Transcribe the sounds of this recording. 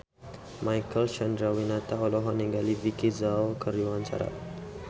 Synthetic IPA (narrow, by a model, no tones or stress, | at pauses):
majkəlʃand̪ɾawinat̪aɔlɔɦɔnɛŋɡalivikizalkəɾuwaɲt͡ʃa̰ɾa̰t̪̚